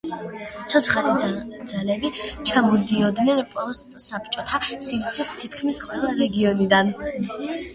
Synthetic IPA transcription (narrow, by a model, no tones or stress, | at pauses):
t̪sʰɔt̪sʰχalid̪zalɛbit͡ʃʰamɔd̪iɔd̪nɛnpʼɔst̪ʼsap̚t͡ʃʼɔt̪ʰasivt̪sʰist̪ʰit̪ʰkʰmisqʼwɛlˠaɾɛɡiɔnid̪an